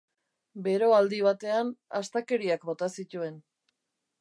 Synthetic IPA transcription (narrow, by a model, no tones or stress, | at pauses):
be̞ɾo̞ald̪iβ̞at̪e̞anast̪ake̞ɾiakbo̞t̪asit̪ue̞n